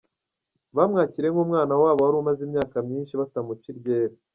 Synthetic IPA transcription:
βamŋaːciɾe̞ŋɡumŋaːnawaːβohaɾumazimɲaːkamɲiːnʃiβatamuciɾɟeːɾe

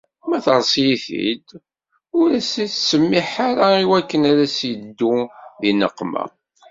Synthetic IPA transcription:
mæθəɾˤsˤjiθḭd̪ | ʊɾæsiθsəmːiħaɾaiwækːənæɾæsjəd̪ːuðinəqːma̰

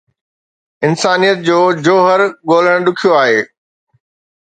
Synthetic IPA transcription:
ɪnsaːnijət̪̚d͡ʑoːd͡ʑoːɦəɾɠoːl̤əɽ̃ɗʊkʰijoaːɦeː

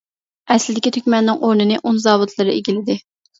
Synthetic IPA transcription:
ɛslɪd̪ɪkʲit̪ʰykʲmɛnːɪŋʔoɾnɨnɨʔunzɑːvut̪ʰlˠɨɾɨeɡʲilɪd̪ɪ

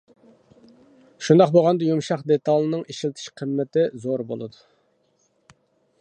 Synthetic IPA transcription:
ʃund̪ɑqboʁɑnd̪ɑjumʃɑχd̪et̪ɑlˠɨnɨŋiʃilt̪ʰɪ̥ʃqʰəmːɪt̪ɪzoɾbo̰lˠɨ̰d̪u

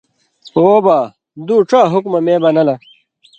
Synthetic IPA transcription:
oːbaː | d̪uːʈ͡ʂaːɦukmɐmẽːbɐnɐlɐ

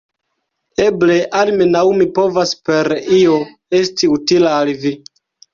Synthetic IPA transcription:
eble̞ʔalmenawmipo̞vaspe̞ɾio̞ | e̞stiutilaːlvi

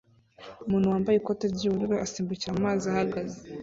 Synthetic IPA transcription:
umuːnhuwaːmbajekotaɾɟiβuɾuɾoʔasiːmbuciɾammaːziahaɡaze

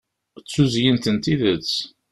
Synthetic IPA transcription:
t͡sːuzjənt̪ənt̪iðət͡sː

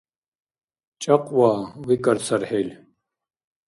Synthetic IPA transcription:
t͡ʃʼɐqʼwaːwikʼɐɾt͡sʰɐrħelʲ

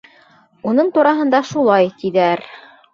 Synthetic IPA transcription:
unɤɴt̪uɾɑɦɤ̆nd̪ɑʃulˠɑjt̪iðæɾ

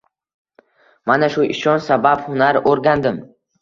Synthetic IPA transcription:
manaʃʊʔɪʃɒnsabaphʊnaɾoɾɡʲand̪ɪm

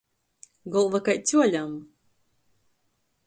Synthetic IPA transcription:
ɡɔlˠvakajt͡s̪ʲuɔlʲam

